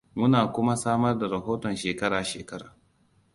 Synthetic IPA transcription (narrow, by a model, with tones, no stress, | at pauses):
mʊ˦naː˨kʷʊ˦ma˦saː˦mɐ˦rda˨ɾɐ˨ɦoː˦tɔ˨nʃeː˨kɐ˦ɾaː˨ʃeː˨kɐ˦ɾaː˨